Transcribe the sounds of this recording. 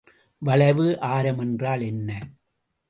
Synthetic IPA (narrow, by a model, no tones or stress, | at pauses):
ʋɐɭɐɪʋɯʔaːɾɐmɛndraːlɛnːɐ